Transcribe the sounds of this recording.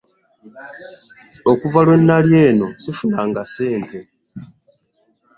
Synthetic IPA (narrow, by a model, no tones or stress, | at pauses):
okuvalwe̞nːalje̞ːno̞sifunaːŋɡase̞ːntʰe̞